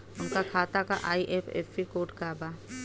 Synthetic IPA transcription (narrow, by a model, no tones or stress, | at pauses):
ʊnkakʰaːt̪aka̰ʔaːiʔeːpʰḛːsːikoːʈkaːbaː